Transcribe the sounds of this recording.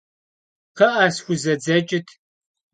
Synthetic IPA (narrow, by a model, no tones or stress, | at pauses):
qɐʔaːsxʷʊzɐd͡zɐt͡ʃʼɪtʰ